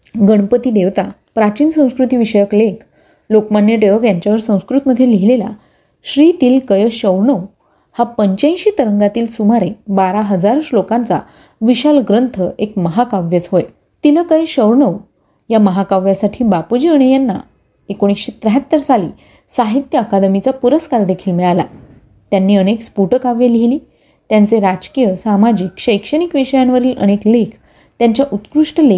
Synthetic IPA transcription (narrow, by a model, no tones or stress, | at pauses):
ɡəɽ̃pət̪iːd̪eʋt̪a | pɾat͡ɕiːnsə̃w̃skɾut̪iːʋiɕəjəkleɡ | lokmanjəʈeʋəkjaɲt͡ɕjaʋəɾsə̃w̃skɾut̪məd̪ʱjeliɦilela̰ | ɕɾit̪iːlkəjəɕəʋɳəw | hapəɲt͡ɕãj̃ɕiːt̪əɾəŋɡat̪iːlsumaɾebaɾaɦəd͡zaɾʂlokãnt͡sa̰ | ʋiɕalɡɾənt̪ʰəekməɦakaʋjət͡sɦoj | t̪iləkəjəɕəɾɳəw | jaməɦakaʋjasaʈʰiːbapud͡ʑiːəɽ̃janːa̰ | ekoɽ̃isɕet̪ɾəɦat̪ːəɾsaliː | saɦit̪jəːkad̪əmit͡sapuɾəskaɾd̪ekʰiːlmeɭala̰ | t̪janːiːəɽekspuʈəkaʋjeliliː | t̪jant͡seɾad͡ʑkijəsamad͡ʑikɕəjkʂəɽ̃ikʋiɕəjanʋəɾiːlʔə̰ɽ̃eklekʰ | t̪jaɲt͡ɕjaʔut̪kɾuʂʈəle